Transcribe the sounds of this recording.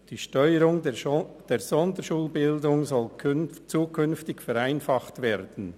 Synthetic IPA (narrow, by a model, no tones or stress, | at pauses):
d̥iːʃtœʏəɾʊŋd̥eːzɔndəʃuːlbɪldʊŋzɔlkʰnt͡suːkʰʏnftɪkfɛɾʁaɪnfɑχtveːɾd̥n̩